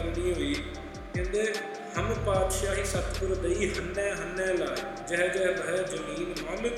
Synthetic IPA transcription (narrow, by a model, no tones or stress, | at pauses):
əɾnĩːɦoiː | kẽnd̪eː | həmpaːd̪ʃaːɦiːsət̪pʊɾd̪eiːɦənːɛ̃ːɦənːɛ̃ːlaː | d͡ʒəːɦɛd͡ʒɛːɾəɦɛzəmiːnmaːl